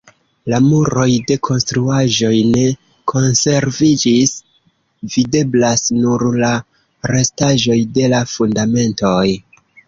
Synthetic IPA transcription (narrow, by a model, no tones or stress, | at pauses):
lamuɾo̞jde̞kʰo̞nstɾuaʒo̞jne̞ | kʰo̞nse̞ɾvid͡ʒis | vide̞blasnuɾla | ɾe̞staʒo̞jde̞lafundame̞nto̞j